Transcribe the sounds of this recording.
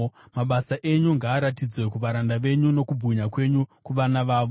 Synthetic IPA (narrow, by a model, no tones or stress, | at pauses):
maɓasaʔe̞ɲuŋɡaːɾatid͡zwe̞kuʋaɾandaʋe̞ɲuno̞kubʱuɲakwe̞ɲukuʋanaʋaːʋo